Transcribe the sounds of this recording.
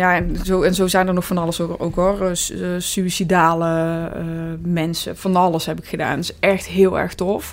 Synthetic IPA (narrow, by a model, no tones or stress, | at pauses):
jaːɛnzowɛnzowzɛjnərnɔxfɑnɑləsoo̰wkɦɔrsyisidaːləəmɛnsə̰fɑnɑləsɦɛpɪkxəda̰ːntɪsɛxtɦɪːlˠɛ̰ɹxtɔf